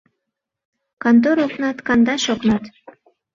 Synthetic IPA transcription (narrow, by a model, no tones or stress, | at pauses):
kɑnt̪̬oɾoknɑt̪kɑnd̪ɑʃoknɑt̪